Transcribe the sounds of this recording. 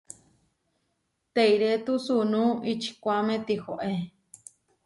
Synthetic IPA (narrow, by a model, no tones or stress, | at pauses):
t̪eiɾet̪usunũit͡ʃʰi̥kʷamẽt̪ixoʔe